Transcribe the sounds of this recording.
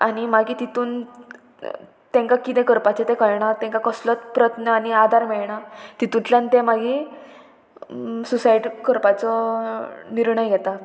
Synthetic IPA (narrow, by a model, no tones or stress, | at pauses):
aɽ̃imaɡit̪it̪uːn | t̪ẽŋkakit̪ɛ̃kəɾpat͡ɕet̪ẽkəɾɳat̪ẽŋkakəslət̪pɾət̪nəañiad̪ʱaɾmɛɭɳat̪it̪unt̪lãnt̪emaɡi | susajʈkəɾpat͡sɔ | niɾɳəjɡɛt̪a